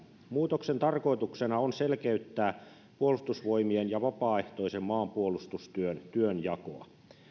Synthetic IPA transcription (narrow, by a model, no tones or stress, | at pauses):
muːt̪oksent̪ɑrko̞it̪uksenɑonselkeyt̪ːæː | puolust̪usʋojmienjɑʋɑpɑːe̞ht̪o̞isemːɑːmpuolust̪ust̪yønt̪yønjɑko̰ɑ̰